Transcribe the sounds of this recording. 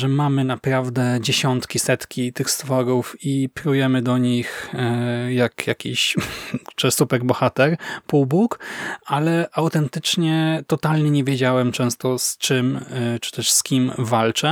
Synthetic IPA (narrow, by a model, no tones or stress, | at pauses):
ʐɛmamɘnapɾavd̪ɛd͡ʑeɕɔnt̪kʲisɛt̪kʲit̪ɘxst̪fɔɾufipɾujɛmɘd̪ɔɲix | jakjakʲiɕ | t͡ʂɛsupɛɾbɔxat̪ɛɾpuwbukalɛʔawt̪ɛnt̪ɘt͡ʂɲɛt̪ɔt̪alɲɛɲɛvʲjed͡ʑawɛmt͡ʂɛ̃w̃st̪ɔst͡ʂɘmt͡ʂɘ̥t̪ɛʂskʲimvalt͡ʂɛ